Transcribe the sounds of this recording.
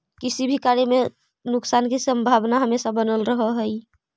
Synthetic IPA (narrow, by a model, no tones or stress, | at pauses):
kisibʱikaɾeme | nuksankesəmbʱabnaɦəmesabənəlɾəɦəɦəj